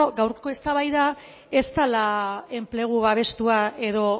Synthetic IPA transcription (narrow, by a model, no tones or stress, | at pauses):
ɡawɾko̞e̞st̪aβajða | e̞st̪alae̞mple̞ɣ̞uβaβ̞e̞st̪uae̞ðo̞